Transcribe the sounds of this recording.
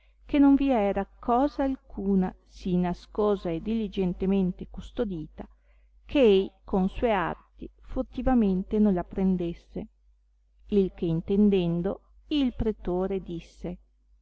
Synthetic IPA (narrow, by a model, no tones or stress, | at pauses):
kenoɱviɛːɾakʰɔːzaːlkʰuːna̰sinaskɔːzaed̪ilid͡ʒent̪ement̪ekust̪od̪iːt̪a | kʰeejkʰonsuːea̰rt̪ifort̪ivament̪enonlapɾend̪esːe | ilk̟eint̪end̪ɛnd̪o | ilpɾet̪oːɾed̪isːe